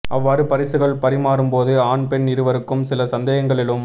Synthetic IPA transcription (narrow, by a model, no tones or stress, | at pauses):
ʔɐʋːaːɾɯpɐɾɪsɯɣɐɭpɐɾɪmaːɾɯmpoːðɯaːnpɛnɪɾɯʋɐɾɯkːɯmsɪlɐsɐnd̪ɐjɐŋɡɐɭɪlɯm